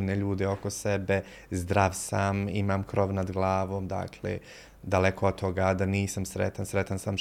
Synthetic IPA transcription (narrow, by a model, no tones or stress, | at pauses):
neʎuːd̪eokosebe | zd̪ɾaʋsamimaːmkɾoʋnad̪ɡlˠaːʋoːmd̪a̰ːkʰlḛ | d̪alekood̪̚t̪ʰːo̞ɡad̪aniːsamsɾet̪ansɾet̪ansam